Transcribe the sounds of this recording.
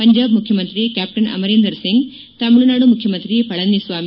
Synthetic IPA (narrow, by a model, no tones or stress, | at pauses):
pɐɲd͡ʒaːbmukʰjɐmɐnt̪ɾijekʲæːp̚ʈɐnɐ̰mɐɾeːnd̪ɐɾsiŋɡ | t̪ɐmuɭunaːɽumukʰjɐmɐnt̪ɾijepɐɭɐnisʋaːm